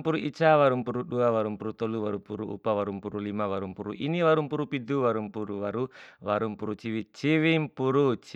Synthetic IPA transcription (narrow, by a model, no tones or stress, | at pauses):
puɾuit͡ʃawaɾumpuɾuɗuawaɾumpuɾut̪ɔluwaɾupuɾuṵpawaɾumpuɾulimawaɾumpuɾṵʔiniwaɾumpuɾupiduwaɾumpuɾuwaɾuwaɾumpuɾut͡ʃiwit͡ʃiwimpuɾut͡ʃ